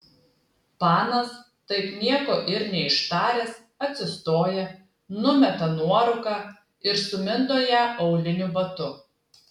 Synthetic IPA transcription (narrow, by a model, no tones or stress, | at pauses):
pɑːnɐs | t̪ɐɪpnʲiɛkoːʔɪɾnʲɛɪʃt̪ɑːɾʲeːs | ɐt̪ʲsʲɪst̪oːjɛ | nʊmʲɛt̪ɐnuɔɾʊkɑː | ɪɾsʊmʲɪnd̪oːjæːʔɔʊlʲɪnʲʊbɐt̪ʊ